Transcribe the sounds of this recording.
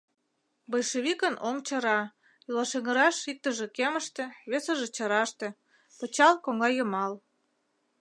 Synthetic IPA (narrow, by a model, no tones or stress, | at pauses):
bojʃeβikənoŋt͡ɕɤ̆ɾɑ | ylɑʃeŋə̆ɾɑʃik̚t̪əʒĕkeməʃt̪ĕβesəʒĕt͡ɕəɾɑʃt̪e̽ | pət͡ɕɑlkoŋɡɑjəmɑl